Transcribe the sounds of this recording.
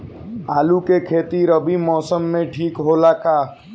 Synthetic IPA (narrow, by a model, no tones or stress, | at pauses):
aːlukekʰeːt̪iɾəbʱimɔːsəmːẽʈʰiːkɦolaːkaː